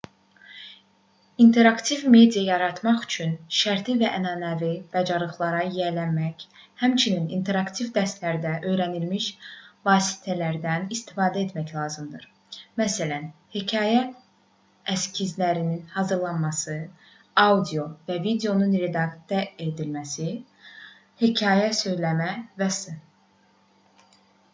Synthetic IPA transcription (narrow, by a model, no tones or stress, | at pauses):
int̪ʰe̞ɾɑkt̪ʰivme̞d̪ijɑjɑɾɑt̪mɑχy̥t͡ʃʰynʃæɾt̪ʰivæʔænɑːnævib̥æd͡ʒɑɾlˠɯχlˠɑɾɑjælæmæç | hæmt͡ʃʰininint̪ʰe̞ɾɑkt̪ʰivd̪æst̪læɾd̪æʔø̞jɾænilmiʃvɑːsi̥t̪ʰælæɾd̪ænist̪ʰi̥fɑːd̪æe̞t̪mæçlˠɑːzɯmd̪ɯɾ | mæsælænhicʰɑːjæ | æscʰizlæɾininhɑzɯɾlˠɑnmɑsɯ | ɑud̪ijo̞vævid̪eo̞nunɾe̞d̪ɑɡt̪ɑe̞d̪ilmæsi | hicʰɑːjæsø̞jlæmævæsɯ